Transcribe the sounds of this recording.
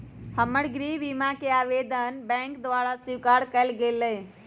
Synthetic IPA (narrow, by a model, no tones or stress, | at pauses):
həməɽɡɾiʋimakeaːʋed̪ənbɛ̃ːŋkd̪ʋaːɾasiʋkaɾkəlɡelːə